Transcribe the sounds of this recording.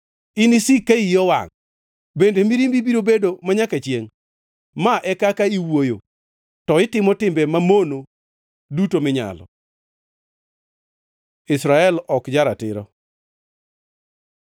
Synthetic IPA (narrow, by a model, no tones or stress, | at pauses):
ɪnisikaijɔwa̰ŋ | bendemiɾimbibiɾobedomaɲakat͡ʃjeŋ | maʔɛkakaiwojo | tɔɪtɪmɔtɪmbemamono | dutomɪɲa̰lɔ̰ | ɪsɾaɛlɔkd͡ʒaɾatɪ̰ɾɔ̰